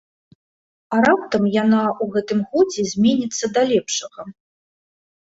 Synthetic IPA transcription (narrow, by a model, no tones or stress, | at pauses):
aɾap̚t̪ɐmjanauɣɛt̪ɨmɣɔd͡zʲɛzʲmʲɛnʲit̪sːɐd̪alʲɛpʂɐɣɐ